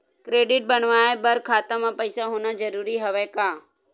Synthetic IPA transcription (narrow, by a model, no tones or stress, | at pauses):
kɾeːɖɪʈ̚bənʋaːebəɾkʰaːt̪əmãpəɪsaɦʊnad͡ʒəɾuːɾiɦəʋekaː